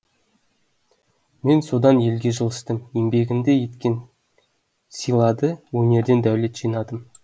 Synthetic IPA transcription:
me̞nso̞d̪ɑnje̞lɡʲe̞ʒəlˠəst̪əmjembe̞ɡʲɪnd̪e̞je̞t̪kʲe̞n | sijlˠɑd̪əwɵnʲe̞ɾd̪e̞nd̪æwle̞t̪ʒ̥ijnɑd̪əm

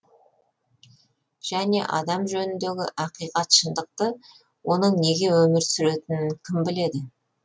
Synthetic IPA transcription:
ʒ̥æne̞̰ʔɑ̰d̪ɑmʒɵnɪnd̪e̞ɡʲɪʔɑqijqɑt̪ʃənd̪əq̚t̪ə | wo̞nəɴne̞ɡʲe̞wɵmɪɾsʏɾe̞t̪ɪnɪŋkʲʰɪmbɪle̞d̪ɪ

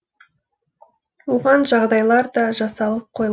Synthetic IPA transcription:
woʁɑnʒɑʁd̪ɑjlˠɑɾd̪ɑʒɑsɑlˠəp̚qʰoj

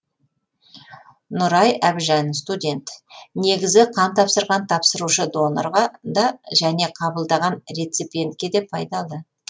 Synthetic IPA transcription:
nʊɾɑjæbʒænst̪udʲe̞nt̪ne̞ɡʲɪzɪqʰɑnt̪ʰɑpsəɾʁɑnt̪ʰɑpsəɾuʃəd̪o̞no̰rʁɑd̪ɑʒæne̞qʰɑbəlˠd̪ɑʁɑnɾʲet̪sipʲijent̪̚kʲe̞d̪e̞pʰɑjd̪ɑlˠdə

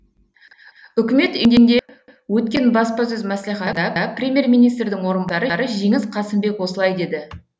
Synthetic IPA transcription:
ʏkʲɪme̞t̪eŋd̪eŋd̪e̞ | wɵt̪̚kʲe̞nbɑspɑs̬ɵzmæsliχæd̪ɑd̪ɑprʲe̞mʲje̞rmijnijst̪ɾd̪ɪŋwo̞ɾənd̪ɑɾəɾəʒeŋɪzqʰɑsɪmbe̞kwo̞səlˠɑjd̪e̞d̪ɪ

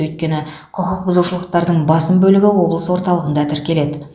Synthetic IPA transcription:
ɵjt̪̚kʲe̞nɪ | qʰʊqʰəq̚bʊzuʃəlˠəq̚t̪ɑɾd̪əɴbɑsəmbɵlɪɡʲɪwo̞blˠəswo̞ɾt̪ɑlˠəʁənd̪ɑt̪ʰɪɾkʲe̞le̞d̪ɪ

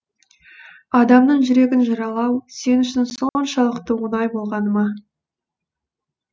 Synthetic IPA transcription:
ɑd̪ɑmnəɴʒʏɾe̞ɡʲɪnʒɑɾɑlˠɑwse̞nʏʃɪnsonʃɑlˠəqt̪əwənɑjbo̞lˠʁɑnəmɑ

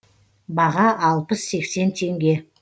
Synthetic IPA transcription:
bɑʁɑʔɑlˠpəsːe̞kse̞nt̪ʰe̞ŋɡʲe̞

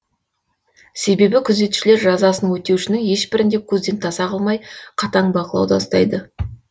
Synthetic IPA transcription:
se̞be̞bɪkʲʰʏze̞t̪u̥ʃɪle̞ɾʒɑzɑsənwɵt̪e̞wʃɪnɪŋje̞ʃbɪɾɪnd̪e̞kʲʰɵzd̪e̞nt̪ʰɑsɑqɑlˠmɑjqʰɑt̪ɑɴbɑqəlˠɑ̰wd̪ɑɑst̪ɑ̰jd̪ə

